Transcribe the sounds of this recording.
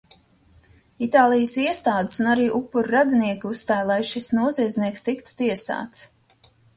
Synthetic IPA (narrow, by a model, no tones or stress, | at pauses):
it̪aːlˠijəsiɛst̪aːd̪ɪsunaɾiːʔupːuɾɾad̪iniɛkiusst̪aːjlˠajʃisnuɔziɛd̪zʲniɛkst̪ikt̪u̥t̪iɛsa̰ːt̪s